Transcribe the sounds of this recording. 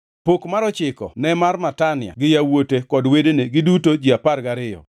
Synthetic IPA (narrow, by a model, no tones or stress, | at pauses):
pokmaɾɔt͡ʃɪkɔ̰nɛmarmatanɪja̰ɡɪjawotekɔdwedeneɡɪdutod͡ʒiaparɡaɾɪjɔ̰